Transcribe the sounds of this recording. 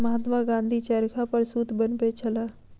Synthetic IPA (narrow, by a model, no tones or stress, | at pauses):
məɦaːt̪maɡãːnd̪ʱit͡ʃaːɾkʰapəɾsuːt̪ʰbənpet͡ʃʰəlaː